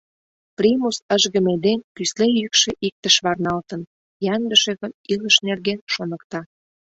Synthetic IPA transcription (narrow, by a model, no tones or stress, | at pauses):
primusəʒɣə̆med̪enkyslejykʃĕʔik̚t̪əʃβɑrnɑlt̪ən | jɑnd̪əʃĕɣə̆niləʃnerɣenʃonə̆kt̪ɑ